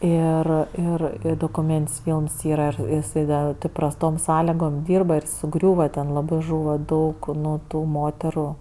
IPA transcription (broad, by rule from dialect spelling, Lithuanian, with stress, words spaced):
ˈɪr ˈɪr doːkʊˈmʲeːnʲtʲɪnʲsʲ ˈfʲiːlˠms ˈiːrɐ jɪˈsɐɪ dɐ tɜ prɐsˈtoːm ˈsɑːlʲɪɡoːm ˈdʲiːrbɐ ɪr sʊˈɡrʲuːʋɐ tʲɛn lˠɐˈbɜ ˈʒuːʋɐ ˈdɐʊk ˈnʊ ˈtuː ˈmoːtʲɛrʊ